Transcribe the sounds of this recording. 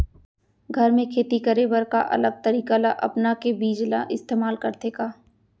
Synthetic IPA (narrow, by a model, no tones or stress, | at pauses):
ɡʱɐɾmẽkʰeːt̪ikəɾebəɾka̰ʔɐ̰ləɡ̚t̪əɾiːkalaʔɐ̰pnakebiːd͡ʒla̰ʔɪst̪eːmaːlkɐɾd̪eːkaː